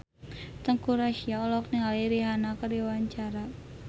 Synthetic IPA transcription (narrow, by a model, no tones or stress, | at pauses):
t̪əŋkuɾaʃiaɔlɔkniŋaliɾiɦanakəɾiwaɲt͡ʃaɾa